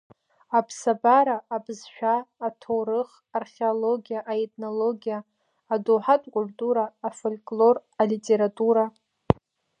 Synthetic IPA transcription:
apʰsabaɾaːbzʃᶣaːtʰowɾɨχ | arχʲeoloɡʲijaʔaetʰʼnoloɡʲijaː | duħatʼkʷʼʊltʼuɾaːfolʲkʼlo̞ralitʼe̞ɾatʼuɾa

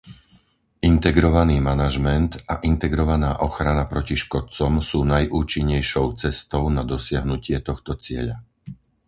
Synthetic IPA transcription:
ʔint̪ɛɡɾɔʋaniːmanaʒmɛnt̪aʔint̪ɛɡɾɔʋanaːʔɔxɾanapɾɔciʃkɔt̪̚t͡sɔmsuːnajʔuːt͡ʃiɲːɛjʃɔʊt͡sɛst̪ɔʊnad̪ɔsɪaɦnucɪɛt̪ɔxt̪ɔt͡sɪɛʎa

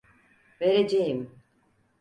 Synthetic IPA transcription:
ve̞ɾed͡ʒejim

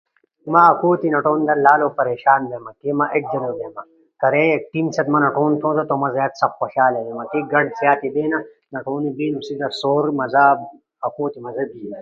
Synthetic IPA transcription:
mɐɐkuːt̪inɐʈoːnd̪ɐɾlaːloːpɐɾeːɕaːnd̪emɐkeːmɐʔeʈ̚d͡ʒɐnoːd̪eːmɐ | kɐɾeek̚ʈimsɐt̪mɐnɐʈoːnt̪ʰõːd̪ɐt̪omɐzaːt̪sɐbxoɕaːled̪emɐkeɡɐɖzjaːt̪id̪eːnɐ | nɐʈoːnibiːlusid̪ɐɾsoːɾmɐza | ɐkuːt̪imɐzɐbi

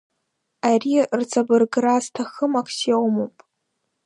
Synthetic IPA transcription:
arirt͡sʰʼabɨrɡraztʰaχəmakʰsawmopʼ

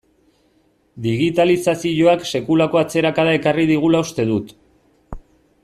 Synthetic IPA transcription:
d̪iɣit̪alisasiʎo̞akse̞kulako̞at͡se̞ɾakaðae̞kariðiɣ̞ulaust̪e̞ð̞ut̪

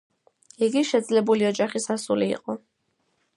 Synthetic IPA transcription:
iɡiʃɛd̪zlɛbuliɔd͡ʒaχisasulḭːqʼɔ

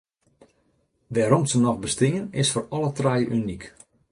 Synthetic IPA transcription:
ʋɛɾɔmsənɔxbəstɪŋənɪsfɔrɔlətrajəʔynik

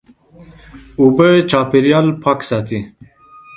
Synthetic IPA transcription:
ubet͡ɕaːpiɾjaːlpʰaksaːt̪i

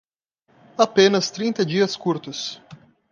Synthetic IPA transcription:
apẽnɐst̪ɾĩnt̪ɐd͡ʒiɐskuɾt̪ʊs

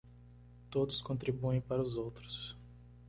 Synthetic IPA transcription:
t̪od̪ʊskõnt̪ɾibuẽj̃paɾʊzowt̪ɾʊ̥s

